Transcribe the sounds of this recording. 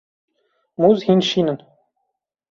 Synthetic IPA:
muzhinʲʃinɘ̆n

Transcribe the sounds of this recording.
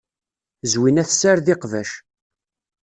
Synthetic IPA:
zwinæθsæɾðɪqvæʃ

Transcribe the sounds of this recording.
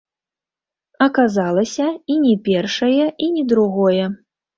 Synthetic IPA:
ɐkazalˠɐsʲɐinʲɛpʲɛrʂɐjɐʔinʲɛd̪ɾuɣɔjɛ

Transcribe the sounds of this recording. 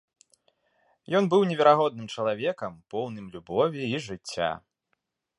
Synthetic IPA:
jɔnbɨwnʲɛvʲɛɾaɣɔd̪̚nɨmt͡ʂɐlˠavʲɛkɐmpɔwnɨmlʲubɔvʲiːʐɨt͡sʲːa̰

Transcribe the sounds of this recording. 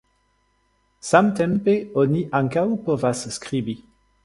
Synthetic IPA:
samt̪ɛmpeoniʔaŋkawpovasskʁibi

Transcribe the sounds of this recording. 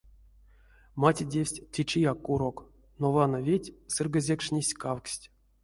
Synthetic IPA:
matʲidʲefʲsʲtʲtʲit͡ʃijakːuɾok | novanəvʲetʲsɨrɡəzʲekʂnʲisʲkawksʲtʲ

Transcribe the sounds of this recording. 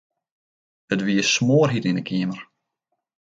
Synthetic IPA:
ətʋiəsmoːrɦitindəkʰiəmər

